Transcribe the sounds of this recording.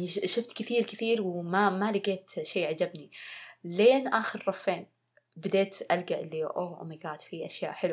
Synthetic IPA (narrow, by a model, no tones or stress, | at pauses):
ʃɪft̪kɪθiːɾkɪθiːɾwmamalɪɡeːt̪ʃeːʕad͡ʒabnileːnʔaːxɪɾrˤɑfːeːn | bɪd̪eːt̪ʔalɡaʔɪlːiʔoːʔmɪɡaːt̪fiʔaʃja̰ːʔħɪlu